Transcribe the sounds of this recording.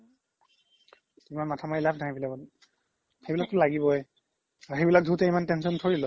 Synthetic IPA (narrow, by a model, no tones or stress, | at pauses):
imanmatʰamaɹilapʰnaɦajbilakɔn | xejbilak̚tʊlaɡibɔɛ | aɹxejbilak̚dʱutɛimantɛnsɔntʰoɹilɔ